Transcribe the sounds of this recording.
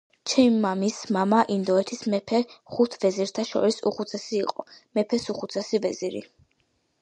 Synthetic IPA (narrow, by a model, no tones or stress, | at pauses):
t͡ʃʰɛmːamismamaʔind̪ɔɛt̪ʰismɛpʰɛχut̪ʰvɛziɾt̪ʰaʃɔ̰ɾisṵχut̪sʰɛsiːqʼɔmɛpʰɛsuχut̪sʰɛsivɛziɾḭ